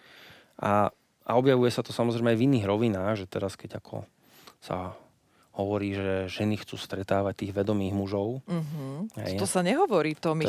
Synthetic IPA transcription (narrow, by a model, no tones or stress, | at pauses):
ʔa | a̰ɔbjaʋujɛsat̪ɔsamɔzɾɛmɛajviniːɣɾɔʋinaːɣʒɛt̪ɛɾaskɛɟakʰɔ̰ | sa̰ | hɔʋɔɾiːʒɛʒɛnixt͡suːst̪ɾɛt̪aːʋac̚t̪iːɣʋɛd̪ɔmiːɣmuʒɔʊɦ̩ɦɛ̰jt̪ɔsaɲɛɦɔʋɔɾiːt̪ɔm